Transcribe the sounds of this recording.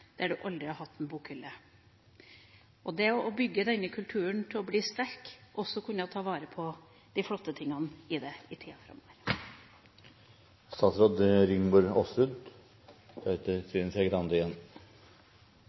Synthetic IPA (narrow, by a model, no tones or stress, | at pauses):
d̪̥æɖʉʔɑld̪ɾɪhɑɾhɑt̪ʰːɛnbuːkhʏlːə | ʔɔd̪ɛɔʔɔbʏɡːəd̪ɛnːəkʰʉlt̪ʰʉːəɳt̪ʰɪlɔbliːst̪æɾkʔɔsːɔkʰʉnəɔt̪ʰɑːʋɑːɾəpʰɔ | d̪̥ɪflɔt̪ːət̪ʰɪŋɑnɪd̪ɛɪt̪ʰiːɑfɾɑ̰mːɔːʋəɾ | st̪ɑːt̪sɾoːd̪ɾɪŋbuːɾɔsʉd̪ | œt̪ət̪ʰyːnsɛɡɾɑnd̪əɪjɛnː